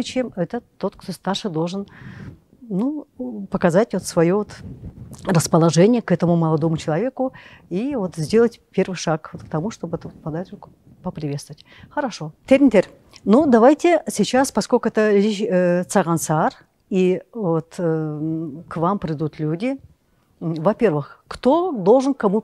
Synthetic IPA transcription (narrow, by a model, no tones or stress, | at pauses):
t͡ɕemɛt̪ət̪o̞t̪kt̪o̞st̪arʂɨd̪o̞lˠʐɨn | nupəkɐzatʲvo̞t̪svɐjo̞vot̪ | rəspəlˠɐʐɛnʲɪjəkɛt̪əmʊməlˠɐd̪o̞mʊt͡ɕɪlˠɐvʲe̞kʊivo̞t̪zʲdʲe̞lˠətʲpʲe̞rvɨjʂakvot̪kt̪ɐmuʂt̪o̞bəɛt̪əot̪pɐd̪at̪ʊk | pəpɾʲɪvʲest̪əvətʲ | xəɾɐʂo̞t̪ʲeɾʲnʲt̪ʲeɾʲ | nud̪ɐvajtʲɪsʲɪt͡ɕaspɐskolʲkʊɛt̪əlʲɪɕət̪sɐʁɐnsar | ivot̪ | kvampɾʲɪd̪ut̪lʲudʲɪ | vɐpʲe̞rvɨxkt̪o̞d̪o̞lˠʐɨnkɐmu